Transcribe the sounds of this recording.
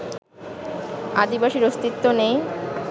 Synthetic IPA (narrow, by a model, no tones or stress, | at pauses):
ad̪ibaʃiɾost̪it̪ːonej